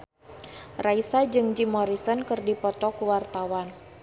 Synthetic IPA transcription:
raisad͡ʒɨŋd͡ʒimɔɾisɔnkɨrdipɔt̪ɔkuwart̪awan

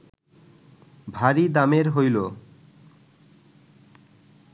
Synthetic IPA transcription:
bʱaɾid̪ameɾɦojlo

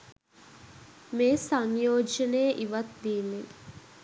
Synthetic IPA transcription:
meːsaŋjoːd͡ʒənejəʔiʋat̪̚d̪iːnːe

